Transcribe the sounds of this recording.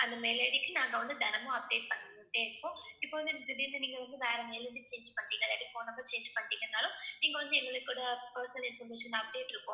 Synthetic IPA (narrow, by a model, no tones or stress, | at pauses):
ɐnd̪ɐmeleːɽikinaːŋɡɐʋɐnd̪ɯd̪ɐnɐmoːɐp̚ɽeːʈ̚pɐnːɐuɳʈeːɐɾɐpːoːipːoʋɐnd̪ud̪ibind̪ɐniːŋɡɐʋɐnd̪uʋɛːɾɐmeːlʋɐnd̪it͡ʃeːɲd͡ʒu̥pɐɳʈːiːɡɐlɐʈːifoːnɐbɐːt͡ʃeːɲd͡ʒpɐɳʈːiːɡɐnːaːloːniːŋɡɐʋɐnd̪ɯɪnːɐlɐkːuːɽaːpɐɾsɐnɐlinfɐɾmeːʂɐnɐpɽeːʈiɾɯpːo̰ːm